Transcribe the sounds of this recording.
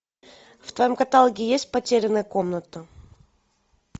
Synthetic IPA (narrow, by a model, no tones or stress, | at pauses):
ft̪vɐjomkɐt̪alˠɡʲɪjesʲt̚ʲpɐtʲeɾʲɪnːəjəko̞mnət̪ə